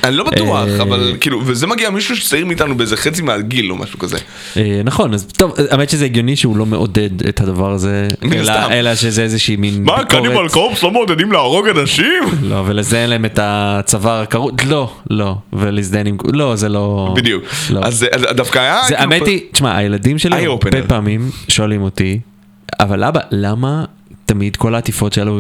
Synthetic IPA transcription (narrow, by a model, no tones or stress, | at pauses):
anilo̞baʔuaχavalkiːluvezemaɡiamiʃuʃe̥t͡saiʁmiːt̪anubeezeχet͡simealɡilo̰mʔa̰ʃu̥kazḛ | enaχo̞nazt̪o̞vamet̪iʃezeeɡjo̞niʃeulo̞me̞ʔo̰de̞dḛt̪hadavaʁazemenlaamelaʃezeezeʃiːminmakoʁiebalkofslomeod̪edimleaʁoɡadaʃimlo̞̰velezdejenlaemetat͡savaʁakaʁut̪lo̞lo̞velizd̪ajenimlo̞zelo̞bid̪jukloazʔad̪afkajazeʔametit͡ʃmaʔa̰je̞ladimʃelaeopenbepaːmimʃo̞alimo̞ti | a̰valʔabalama | tamidko̞laːt̪ifo̞tʃelu